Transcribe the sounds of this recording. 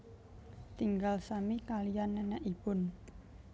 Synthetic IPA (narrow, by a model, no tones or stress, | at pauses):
t̪iŋɡalsamikalijanːɛnɛʔib̥ʊn